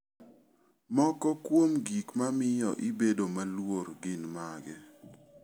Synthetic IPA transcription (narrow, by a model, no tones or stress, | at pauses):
mɔkɔkwomɡikmamɪjɔ̰ʔɪbedomalworɡɪnmaɡɛ